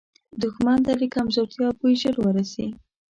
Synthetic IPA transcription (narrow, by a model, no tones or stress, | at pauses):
d̪ʊxmand̪alikamzoɾt̪jɑpujʒəɾwəɾasi